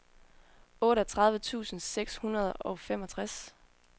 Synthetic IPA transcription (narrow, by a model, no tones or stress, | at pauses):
ɔ̽ːɾɒt͡sʰʁɑ̈ð̞ˠʋət͡sʰṵːsn̩seɡ̥shunɐð̞ˠʔɒ̽ʊfem̰ɒ̽t͡sʰʁas